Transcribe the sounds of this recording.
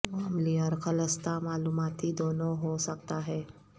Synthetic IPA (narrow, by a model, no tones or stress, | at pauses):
ʋamliəɾkʰələst̪amaːluːmaːt̪ɦid̪oːnõɦosɐk̚t̪aɦɛː